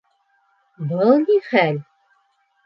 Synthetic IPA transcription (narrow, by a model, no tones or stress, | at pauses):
bɤlˠniχælʲ